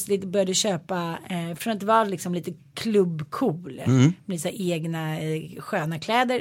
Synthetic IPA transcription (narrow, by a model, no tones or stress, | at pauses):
slɪt̪bœɾjad̪əɕøːpafɾɔnat̪vɑːlɪksɔmliːt̪əkʰlɵbːkʰuːlmɛlit̪ːsæːɾʔeːɡnaɧøːnakʰlɛːd̪əɾ